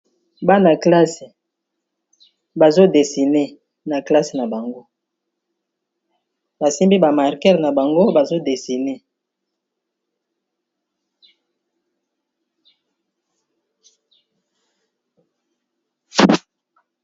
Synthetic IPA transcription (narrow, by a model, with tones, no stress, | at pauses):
ba˦na˨kla˦se˨ | ba˨zo˦de˨si˨ne˦ | na˨kla˦se˨na˨ba˨ŋɡo˦ | ba˨si˦mbi˦ba˨ma˨ʁkɛ˦ʁna˨ba˨ŋɡo˦ba˨zo˦de˨si˨ne˦